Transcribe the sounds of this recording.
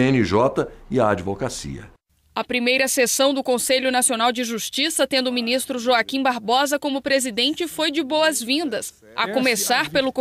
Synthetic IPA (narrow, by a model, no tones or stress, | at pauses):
ẽniʒɔt̪ɐiaːd͡ʒivokasḭɐ̰ | ɐpɾimejɾɐsesɐ̃w̃d̪ʊkõseʎʊnasionawd͡ʒɪʒuʃt͡ʃisɐt̪ẽnd̪ʊminist̪ɾʊʒoakĩbaɾbɔzɐkõmʊpɾezid̪ẽnt͡ʃɪfojd͡ʒɪbowɐzvĩnd̪ɐs | ɐ̰kõmesaɾpelʊk